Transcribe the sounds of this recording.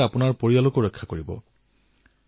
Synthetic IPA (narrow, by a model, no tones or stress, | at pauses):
apʊnaɹpoɹialokoɹɛkʰːakoɹibɔ̰